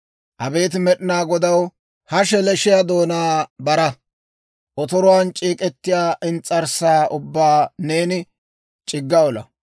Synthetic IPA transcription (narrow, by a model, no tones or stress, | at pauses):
ʔɐbe̞ːt̪ɪmɛɗɪnaːɡɔd̪ɐw | hɐʃɛlɛʃɪjad̪o̞ːnaːbɐɾɐ | ʔɔt̪ɔɾʊwaːnt͡ʃʼiːkʼɛt̪ːɪjaːʔɪnt͡sʼːɐɾsaːʔʊbːaːne̞ːnɪ | t͡ʃʼɪɡːɐɔlɐ̰